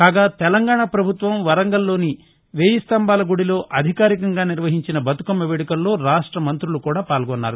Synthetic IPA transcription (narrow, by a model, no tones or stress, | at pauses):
kaːɡaːt̪ɛlɐŋɡaːɳapɾɐbʱut̪ʋɐmʋɐɾɐŋɡɐlːo̞ːni | ʋeːjɐst̪ɐmbaːlɐɡuɽilo̞ːʔɐd̪ʱikaːɾikɐŋɡaːniɾʋɐɦiɲt͡ʃinɐbɐt̪u̥kɐmːɐʋeːɽikɐlːo̞ːɾaːʂʈɾɐmɐnt̪ɾulukuːɽaːpaːlɡɔnːa̰ːɾu